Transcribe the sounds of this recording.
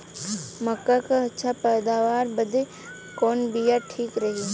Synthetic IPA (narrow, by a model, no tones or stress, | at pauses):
mɐkːakaɐtːʃʰapɛːd̪aːʋaːɾbəd̪ʱe | koːnbijaʈʰiːkɾɐɦi